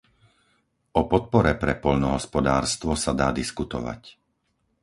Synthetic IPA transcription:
ʔɔpɔt̪̚pɔɾɛpɾɛpɔʎnɔɦɔspɔd̪aːɾst̪ʋɔsad̪aːd̪iskut̪ɔ̰ʋa̰c

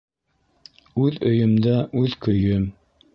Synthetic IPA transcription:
ʉðɵ̆jɵ̆md̪æʔʉðkɵ̆jɵm

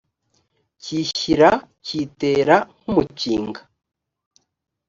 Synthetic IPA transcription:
ciçiɾa | ciːteːɾaŋ̥umuciːŋɡa

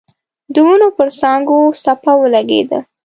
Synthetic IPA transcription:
d̪əwunopəɾsɑŋɡosapawəlaɡḛd̪a̰

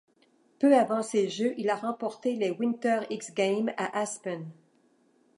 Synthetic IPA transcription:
pøavɑ̃seʒøʔilaʁɑ̃pɔʁt̪elewĩnt̪œʁiksɡʲɛ̃jmaʔaspɛn

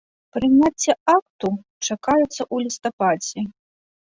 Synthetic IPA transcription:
pɾɨnʲat͡sʲːɛak̚t̪u | t͡ʂakajut̪sːɐʔulʲist̪apad͡zʲɛ

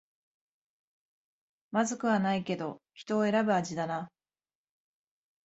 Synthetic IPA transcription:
mazɨkɯ̟βanaike̞d̪o̞çʲi̥t̪o̞ːe̞ɾabɯ̟aʑid̪ana

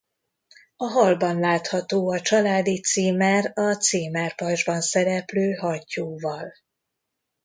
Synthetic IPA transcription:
ɒɦɒlbɒnlaːt̪hɒt̪oːɒt͡ʃɒlaːd̪it̪siːmɛrɒt̪siːmɛrpɒrʒbɒnsɛɾɛpløːɦɒcːuːvɒl

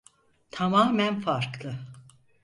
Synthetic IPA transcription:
t̪ʰamaːmænfaɾklˠɯ

